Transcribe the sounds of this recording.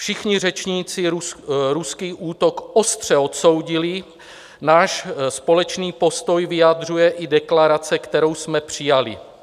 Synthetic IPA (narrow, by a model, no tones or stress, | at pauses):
fʃɪxɲɪr̝ɛt͡ʃɲiːt͡sɪɾuskiːʔuːt̪o̞kʔost̪r̝̥ɛo̞t̪so̞wɟɪlɪ | naːʃspo̞lɛt͡ʃniːpo̞st̪o̞jvɪjad̪r̝ujɛʔɪdɛklaɾat͡sɛkt̪ɛɾo̞wsmɛpr̝̥ɪjalɪ̰